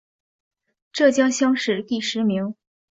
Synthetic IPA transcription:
ʈ͡ʂɤ˥˩t͡ɕjɑ˥ŋɕjɑ˥ŋʂɻ̩˥˧˩t̪i˥˩ʂɻ̩˧˥mi˧˥ŋ

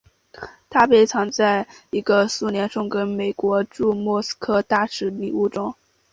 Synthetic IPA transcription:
t̪ʰa˥pe˧˥ɪt͡sʰɑ˧˥ŋt͡sa˥˩ɪi˧˥ɡə˧su˥˩njɛ˧˥nʂʊ˥˩ŋkə˥nme˨˩ɪkwɔ˧˥ʈ͡ʂu˥˧mwɔ˥˩s̩˥kʰɤ˥˧t̪a˥˩ʂɻ̩˧˥ni˨˩u˥˩ʈ͡ʂʊ˥ŋ

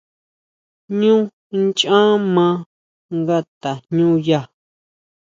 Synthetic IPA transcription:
ɲũ˦ | nt͡ʃã˦mã˧˦ | ŋɡa˦t̪a˨ɲũ˦ja˦˧˨

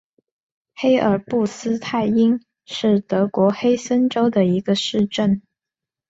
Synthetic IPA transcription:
xe˥ɪʔə˞˨˩pu˥˩sɹ̩˥t̪ʰa˥˩ɪi˥n | ʂɻ̩˥˩t̪ɤ˧˥kwɔ˧˥xe˥ɪsə˥nʈ͡ʂo˥ʊd̪ə˨i˧˥ɡə˧ʂɻ̩˥˧ʈ͡ʂə˥˩n

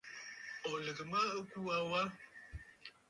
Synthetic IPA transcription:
ɔ˨lə˨ɡə˨mə˦ə˦ku˦a˦wa˦

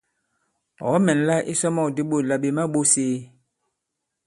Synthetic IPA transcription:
ɔ̰˨˦mɛ˨n˨la˦ʔḭ˦sɔ˦mɔ˦˨di˦ɓo˦˨la˨ɓe˨ma˦ɓo˦seː˦

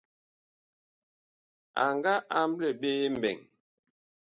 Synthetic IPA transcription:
a˨ŋɡa˦ʔa˦mblɛ˨ɓeː˦m̩˨bɛ̰˨ŋ

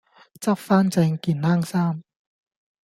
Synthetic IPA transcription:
t͡sɐ˥p̚faː˥nt͡sɛː˧ŋkiː˧nnaː˥ŋsaː˥m

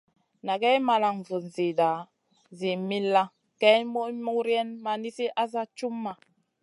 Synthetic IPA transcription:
na˨ɡɛ˦jma˨la˨ŋ˨vu˨n˨zi˨da˨ | zi˨mi˦lːa˦ | kɛ˦jmu˦mu˦kɾjɛ˦nma˦ni˦si˦ʔa˦za˦t͡ʃu˦mːa˨

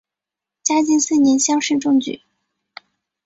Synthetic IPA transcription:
t͡ɕja˥t͡ɕi˥˧nsɹ̩˥˩njɛ˧˥nɕjɑ˥ŋʂ̩˥˧ʈ͡ʂʊ˥˧ŋt͡ɕy̰˨˩˦

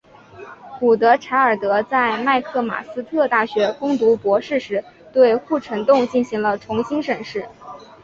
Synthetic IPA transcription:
ku˨˩t̪ɤ˧˥ʈ͡ʂʰa˧˥ɪə˞˨˩t̪ɤ˧˥t͡sa˥˧ɪma˥˧ɪkʰɤ˥˩ma̰˨˩sɹ̩˥t̪ʰɤ˥˧t̪a˥˩ɕɥɛ˧˥kʊ˥ŋt̪u˧˥pwɔ˧˥ʂɻ̩˥˩ʂɻ̩˧˥ | t̪we˥˧ɪxu˥˩ʈ͡ʂʰə˧˥ŋt̪ʊ˥˧ŋt͡ɕi˥˩nɕi˧˥ŋlə˧ʈ͡ʂʰʊ˧˥ŋɕi˥nʂə˨˩nʂɻ̩˥˩

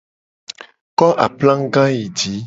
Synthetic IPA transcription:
kɔ˦ʔa̰˨plã˦ŋ˦ɡã˦ji˨d͡ʒi˨˦

